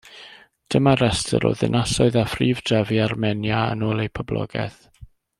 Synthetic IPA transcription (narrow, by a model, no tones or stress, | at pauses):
d̥əmaɾɛstʰə̰ɾɔ̰ðɪ̰nʔasɔɨðafriːvd̥rɛviarmɛnjaə̰noːlˠejpʰɔblɔ̰ɡɛ̰θ